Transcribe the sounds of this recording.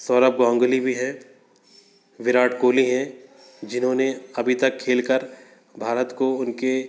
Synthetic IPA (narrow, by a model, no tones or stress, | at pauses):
sɔːɾəp̚ɡɔ̃ːŋɡlibʱiɦɛ | ʋɪɾaːʈʰkoːliɦɛ̃ | d͡ʒɪnɦõːneɐbʱit̪ɐkʰːeːlkəɾ | bʱaːɾət̪koʊnke